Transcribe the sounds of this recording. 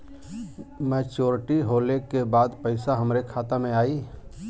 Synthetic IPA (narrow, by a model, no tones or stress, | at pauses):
mɛːt͡ʃoːɾʈiɦoːlekebaːd̪pəɪsaɦəmɾekʰaːt̪amẽaːiː